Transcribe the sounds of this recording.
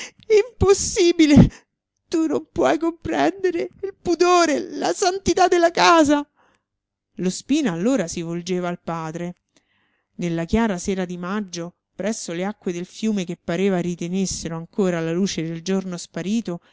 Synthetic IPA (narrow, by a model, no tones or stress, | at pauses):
imposːiːbile | t̪unompwɔjkompɾɛnd̪eɾeilpud̪oːɾelasant̪it̪ad̪ːelakaːza | lospiːnaːlːoːɾasivold͡ʒeːvaːlpaːd̪ɾe | nelːakjaːɾaseːɾad̪imad͡ʒːo | pɾɛsːoleakːwed̪elfjuːmekepːaɾeːvaɾit̪enesːeɾoaŋkoːɾalaluːt͡ʃed̪eld͡ʒornospaɾiːt̪o